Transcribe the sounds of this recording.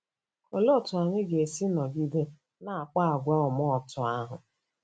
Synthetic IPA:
o˨lo˦˨tʊ˨a˨ɲɪ˦ɡe˨si˦nɔ˨ɡi˦de˦ | na˨a˨k͡pa˦a˨ɡʷa˦ʊ˨mɔ˦ɔ˨tʊ˨a˦ɦʊ˨

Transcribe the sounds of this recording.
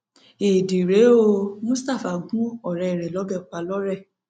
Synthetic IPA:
i˨di˨ɾe˨˦o˧mũ˦sta˦˨fa˨˦kũ˦ɔ˦˨ɾɛ˧i˨ɾɛ˨lɔ˨˦ɡɛ˦˨k͡pa˧lɔ˦ɾɛ˦˨

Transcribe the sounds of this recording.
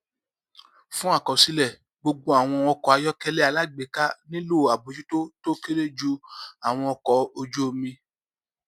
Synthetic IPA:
fũ˦a˦˨kɔ˨si˧lɛ˦˨ | ɡ͡bo˧ɡ͡bo˦a˨w̃ɔ̃˧ɔ˧kɔ˨a˧jɔ˦kɛ˦˧lɛ˦a˨˧la˦ɡ͡be˨˦ka˦nĩ˦lo˦˨a˨bo˨˦d͡ʒu˦to˦to˦ki˦ɾe˦d͡ʒu˦a˨w̃ɔ̃˧ɔ˧kɔ˨˦o˧d͡ʒo˦˨mĩ˧

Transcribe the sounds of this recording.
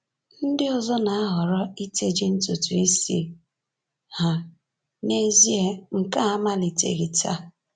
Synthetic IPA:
n̩˦dɪ˦ɔ˨zɔ˦na˨a˦ɦɔ˨ɾɔ˦i˦te˨d͡ʒi˦n̩˦tʊ˨tu˨i˦sḭ˦ | ha˨ | ne˦zi˦e˦ŋ̩˨ka˦a˦ma˦li˨tḛ˨ɣi˨ta̰˦

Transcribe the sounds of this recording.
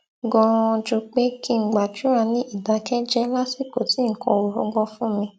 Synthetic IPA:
ɡɔ̃˧d͡ʒo˧k͡pe˦ki˦˧˨ɡ͡ba˨d͡ʒũ˨˦ɾa˧nĩ˦i˦˨da˨kɛ˦d͡ʒɛ˦la˦si˦˨ko˨ti˨˦ŋ̩˨˦kɔ̰̃˧o˨ɾɔ˧˦ɡɔ̃˧fũ˦mĩ˧

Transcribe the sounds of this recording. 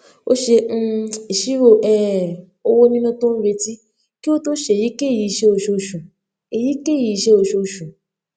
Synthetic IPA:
o̰˦ʃẽ˧i˨ʃi˦ɾo˧˨ʔɛ˦˨ | o˧wo˦nĩ˦nũ˧to˦n̩˦be˧ti˦ | ki˦o˦to˦ʃe˧˨ji˨˦ke˦˨ji˨˧ʃe˦o˧˨ʃo˧˨ʃũ˨ | e˨ji˨˦ke˦˨ji˨˧ʃe˦o˧˨ʃo˧ʃũ˨

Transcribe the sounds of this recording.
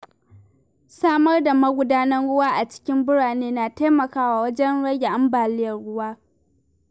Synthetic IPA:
saː˦mɐ˦rda˨mɐ˦ɡʷʊ˦daː˦nɐ˦nɽʊ˦waː˦ʔa˨t͡ʃɪ̥˦kʲɪ˦mbʊ˦ɽaː˨neː˦naː˨ta˦jmɐ˨kaː˦waː˨wɐ˦d͡ʒɛ˦nɽɐ˦ɡʲe˨ʔa˦mbaː˨lɪ˦jɐ˨rɽʊ˦waː˦

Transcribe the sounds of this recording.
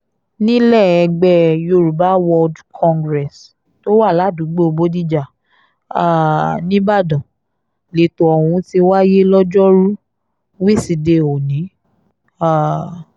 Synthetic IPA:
nĩ˦lɛ˦˨ɛ˧ɡ͡bɛ˦˨jo˧˨ɾu˨ba˨˦wɔ˧dkʰɔ̃˧ŋɡɾɛ˨s | to˦wa˦˨la˨˦˨du˨˦ɡ͡bo˦o˧bo˦di˦d͡ʒa˨ | a˨nĩ˦ba˦˨dɔ̃˨ | le˨to˧ɔ˨w̃ũ˧ti˧wa˦je˦lɔ˦d͡ʒɔ˦ɾu˦ | wi˦si˧de˧o˨nĩ˨˦ | a˦˨

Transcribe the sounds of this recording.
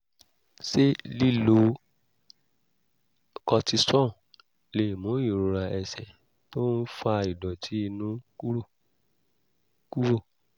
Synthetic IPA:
se˦li˦˨lo˧ | kɔ˧ti˧sɔ̃˦˨ | le˨mũ˨˦i˦˨ɾo˧ɾa˧ɛ˧sɛ˨ | to˦n̩˦fa˧i˨dɔ˨tʰi˨˦i˧nũ˦u˦˨ | ku˦ɾo˦˨

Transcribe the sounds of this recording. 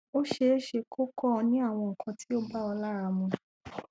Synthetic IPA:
o˦ʃe˦ʃe˧kʰo˦kɔ˦˧nĩ˨˦a˦˨w̃ɔ̃˧ŋ̩˨kʰã˨˧tʰi̥˦o˦ba˦ɔ˧la˦ɾa˧mũ˧

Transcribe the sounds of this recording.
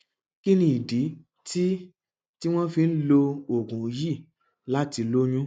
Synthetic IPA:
ki˦nĩ˧i˨di˨˦ | ti˦ | ti˦w̃ɔ̃˦fĩ˧n̩˦lo˧o˨ɡũ˨˦ji˦˨ | la˦ti˧lo˦j̃ũ˦

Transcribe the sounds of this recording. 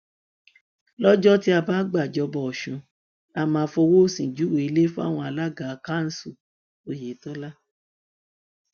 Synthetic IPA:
lɔ˦d͡ʒɔ˦ti˦a˧baː˦ɡ͡ba˦˨d͡ʒɔ˧bɔ˧ɔ˨ʃũ˨˦ | a˧mãː˧˦˧fɔ˧wo˦˨sĩ˨d͡ʒu˨˦wo˨i˧le˦fũ˦a̰˦˨w̃ɔ̃˧a˧la˦ɡa˨˧˦ka˦n̩˦su˦˨ | o˨˦je˨˦tɔ˦la˦

